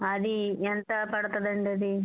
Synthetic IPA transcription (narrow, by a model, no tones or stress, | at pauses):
ɐd̪iɛnt̪ɐpɐɽt̪ɐd̪ɐɳɖɐd̪i